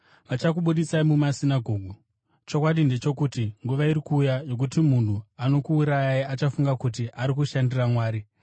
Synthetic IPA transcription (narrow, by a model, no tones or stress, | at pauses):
ʋat͡ʃakuɓuɗisaimumasinaɡʱo̞ːɡʱu | t͡ʃo̞kwaɗinde̞t͡ʃo̞kutiŋɡuʋaiɾikuːjajo̞k̬utimun̤uano̞kuːɾajaiat͡ʃafuŋɡakut̬iʔaɾikuʃandiramwaːɾi